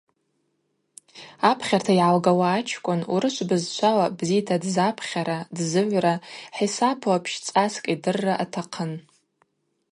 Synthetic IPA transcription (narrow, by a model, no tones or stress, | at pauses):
apʰχʲartʰaiʕalɡawaːt͡ʃʰkʷʼʊnuɾɨʃʷbɨzt͡ʃʷʰalabzitʰadzapʰχʲaɾadzɨʕʷraħisapʰuapʰʃt͡sʼaskʼidɨrːaʔatʰaqʰən